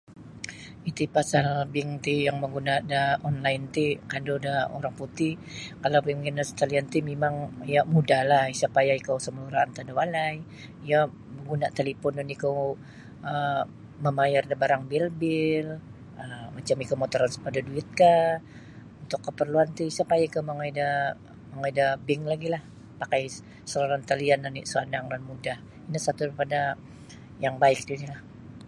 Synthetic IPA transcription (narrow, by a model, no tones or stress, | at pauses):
it̪ipasalbɪŋt̪ijaŋməŋɡunadaɔnlajnt̪ikadodao̰ɾaŋput̪ikalawpimŋinast̪aliant̪imemaŋjamudahlahisapajaikawsəməluɾaːnt̪adawalaj | ija | məŋɡunaʔt̪elipɔnʊnikaw | ə | məmajardabaɾaŋbilbɪl | əmat͡ʃamikawmot̪ɔɾansə̥padaduɪt̪̚ka | unt̪ʊkːəpərluant̪uisapajaikawməŋaida | məŋaidabɪŋlaɡilah | pakaj | səɾaɾant̪aliandanḭʔsuanaŋdanmudah | inasat̪uɾipada | jaŋbaɪk̚dunilah